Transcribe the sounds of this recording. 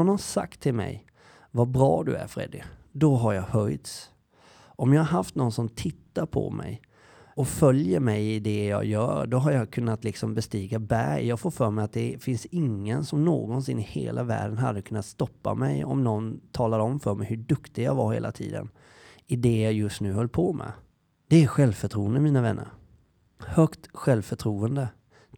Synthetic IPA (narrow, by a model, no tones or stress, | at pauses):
ɔnhasa̰kt̪ʰːɪlmɛ̰j | vabɾɑːd̪ɵæ̰ɾfɾɛ̰d̪ɪd̪ɔɦaɾjɑɡhœjt̪s | ʔɔmjɑːhaɾɦaft̪nɔnsɔmt̪ʰɪt̪ːaɾpʰɔ̰mʔɛ̰j | ɔfœljəɾmɛjɪd̪ɛjɑ̰ːjœːɾɖɔɦaɾjɑkʰɵnːat̪lɪksɔmbɛst̪iːɡabæɾjjɑːɡfoːɾfœːɾmɛjat̪̚d̪ɛfɪnsɪŋːənsɔmnoːɡɔnsɪnːɪhḛːlʔavæ̰ːɖənɦa̰d̪ːəkʰɵnːat̪st̪ɔpːa̰mɛjɔ̰mnɔnt̪ʰɑːlad̪əɔmfœːɾmɛjhɵɖɵkt̪ɪjɑ̰ːɡvaɾhḛːlat̪ʰḭːd̪ə̰n | ɪd̪ɛjɑːjɵst̪nʉ̟ːɦœlːpʰɔmʔɛ̰ | d̪̥ɛæɾɧɛlvfœʈʰɾuːənd̪əmiːnavɛnːə̰ɾ | hœkt̪ɧɛlvfœʈʰɾuːənd̪ə